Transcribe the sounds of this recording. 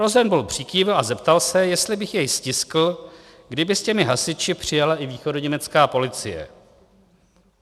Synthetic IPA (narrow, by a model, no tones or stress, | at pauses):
ɾozɛnbulpr̝̥ikiːvlazɛpt̪alsɛjɛst̪lɪbɪxjɛjscɪskl̩ | ɡdɪbɪscɛmɪɦasɪt͡ʃɪpr̝̥ɪjalaʔɪviːxo̞doɲɛmɛt͡skaːpo̞lɪt͡sɪjɛ̰